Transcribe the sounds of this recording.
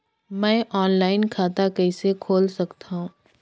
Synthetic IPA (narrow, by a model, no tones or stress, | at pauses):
mɛ̃ːʔɔːnlaːɪnkʰaːt̪akɛɪsekʰoːlsɐkt̪aɦũː